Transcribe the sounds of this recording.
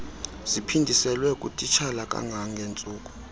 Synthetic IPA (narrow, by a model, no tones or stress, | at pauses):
zipʰindʱisɛlwɛkʼṵtʼit͡ʃʰalakʼa̰ŋɡʱaŋɡʱent͡sʼuːkʼu̥